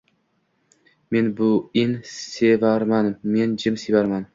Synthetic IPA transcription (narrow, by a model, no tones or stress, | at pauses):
me̞nbʊɪnsevaɾmanme̞nd͡ʒɪmsevaɾman